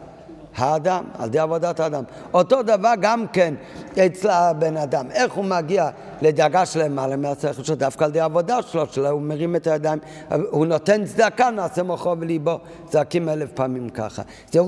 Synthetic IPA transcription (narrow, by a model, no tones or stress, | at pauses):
haːd̪ama̰ld̪ejavod̪at̪aːd̪am | ot̪od̪avaʁɡamkenet͡slabenadameχhumaɡia | led̪aɡaʃlemalemeaseχelʃod̪afkaːld̪ejavodaʃloʃelaumeʁimɛt̪ajad̪aim | hunotent͡sd̪akanaːsemoχovelibo | t͡sakimɛlefpaːmimka̰χa̰ | zɛ